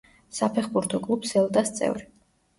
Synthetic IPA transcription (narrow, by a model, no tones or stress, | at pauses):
sapʰɛχbuɾt̪ʰɔkʼlˠupsɛlˠt̪ʼast̪sʼɛ̰vɾi